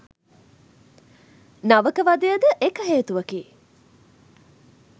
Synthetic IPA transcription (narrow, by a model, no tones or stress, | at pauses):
naʋəkəʋad̪ejəd̪əʔekəɦeːt̪uʋɐkiː